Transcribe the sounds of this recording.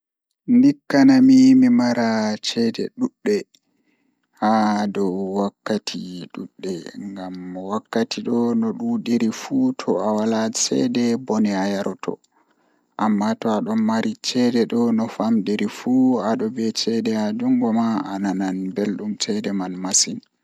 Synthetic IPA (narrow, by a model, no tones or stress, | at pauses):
ndikːanamimimaɾat͡ʃɛdɛ̰ɗuɗːɛ | hadɔwakːatʰiɗuɗːɛŋɡamwakːatʰiɗɔnɔɗuɗeɾifutʰɔawalasɛ̰dɛbɔnɛajaɾtʰɔ̰ | ʔamːatɔaɗɔmmaɾʔit͡ʃɛdɛɗɔnɔfamɗeɾifuaɗɔbɛt͡ʃɛdɛad͡ʒuŋɡɔmaanananbelɗumt͡ʃɛdɛmanmasin